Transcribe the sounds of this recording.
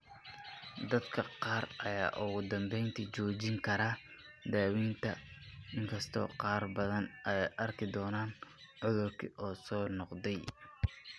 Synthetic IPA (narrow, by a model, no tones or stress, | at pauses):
d̪ɐd̪kʰɐqɑːrʔɐja̰ːʔʊɣʊd̪ɐmbɛjnt̪ʰit͡ʃɔːt͡ʃɪŋkʰɐɾaː | d̪aːwiːnt̪ʰɐɪŋkʰɐst̪ʰɔ̰ːqɑːrbɐðɐnɐɛjʔɐrkʰɪd̪ɔːnaːnʕʊðʊrkʰḭʔɔːsɔːnɔqd̪ɛj